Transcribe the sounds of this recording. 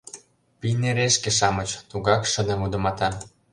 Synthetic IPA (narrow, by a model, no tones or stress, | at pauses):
pineɾeʃkeʃɑmət͡ɕt̪uɣɑkʃə̆d̪ĕmud̪ə̆mɑt̪ɑ